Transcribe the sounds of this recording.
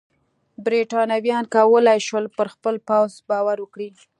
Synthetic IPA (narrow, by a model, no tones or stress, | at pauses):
bɾiʈɑnawjɑnkawəlajʃwəlpəɾxpəlpawzbɑwaɾwəkɽi